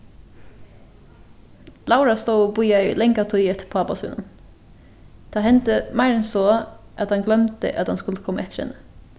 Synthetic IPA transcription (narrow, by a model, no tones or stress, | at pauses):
lɑʊɹɑst̪oːoːbʊʏɑilɛŋkɑt̪ʰʊʏɛt̪ʰpʰoɑːpɑsʉ̰ːnən | d̪̥ɑːhɛnt̪əmæɪɾɛnsoːʔɑt̪hɑŋɡlœmt̪ə̰ʔɑt̪hɑnskʉləkʰɔməʔɛt̪ɾɛ̰nə